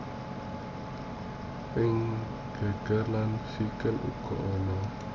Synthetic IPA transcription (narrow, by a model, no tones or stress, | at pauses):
ʔɪŋ | ɡ̥a̤ɡ̥ə̤rlansikəlʔṵɡ̥ɔ̤ʔɔnɔ